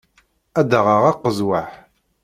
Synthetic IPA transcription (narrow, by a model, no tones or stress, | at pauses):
æd̪əʁəʁaqːəzwaħ